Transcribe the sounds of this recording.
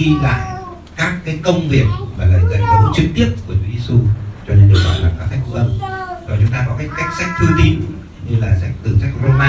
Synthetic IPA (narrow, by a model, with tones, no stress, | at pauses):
i˧la̰ː˧˨j | kaː˦˥kːaː˨˦jkə˧wŋ͡mvi˨˩ək̚maː˨˩laː˨˩zə̰˧˨t̪ʰə˨˦t͡ɕɨ˨˩k̚t̪i˦˥əp̚ku˧˩ət͡ɕu˧t̪i˧˦u˧t͡ɕɔ˧ne˧nɗɨ̰˨˩ək̚ɔ̰˧˨˩laː˨˩kaː˨˦˥k̚sa˦˥k̚fṵ˧˥ʔə˧mzɔ˨˩t͡ɕʊ˨˦ŋ͡mt̪aː˧kɔ˨˦ka˦˥k̚kːa˦˥jk̚sa˦˥k̚t̪ʰɨ˧wt̪i˧n | ɲɨ˧laː˨˩sa˦˥jk̟̚t̪ɨ˨˩sa˦˥jk̚ɾo˧maː˧